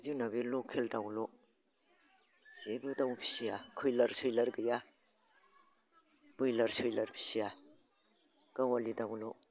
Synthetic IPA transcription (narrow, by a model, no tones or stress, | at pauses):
zinabilokʰeldawlɔ | z̥ebɯdawpʰi̥sijakʰɯjlaɾsɯjlaɾɡɯja | b̥ɯjlaɾsɯjlaɾpʰi̥sija | ɡ̥awalidawlo